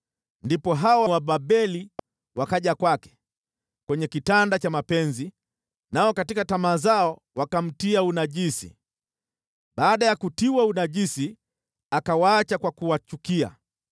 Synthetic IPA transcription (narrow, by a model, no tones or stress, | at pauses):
ndipɔɦawawaɓaɓɛli | wakaʄakwakɛ̥ | kwɛɲɛkitandat͡ʃamapɛnzi | naɔkatikatamaːzaɔ | wakam̩tiaunaʄisḭ | ɓaːɗajakutiwaunaʄisi | akawaat͡ʃakwakuwat͡ʃukia̰